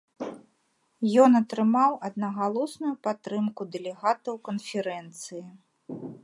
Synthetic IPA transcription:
jɔnɐt̪ɾɨmawɐd̪nɐɣalˠɔsnujupat̪ːɾɨmkud̪ɛlʲɛɣat̪ɐwkɐnfʲɛɾɛnt̪sɨji

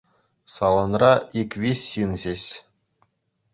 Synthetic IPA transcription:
sɑlˠŏnrɑikʲʋʲiɕʲːinʑeɕ

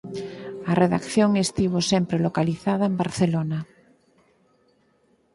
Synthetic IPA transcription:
areða̰kθjoŋest̪iβosempɾelokaliθaðaembaɾθelona

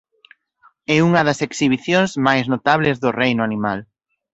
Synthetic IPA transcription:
ɛuŋɐðɐseksiβ̞iθjõŋzmajznot̪aβlɪzðʊrejnʊanimal

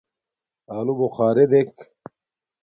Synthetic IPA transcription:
aːlubuχaːɾed̪ek

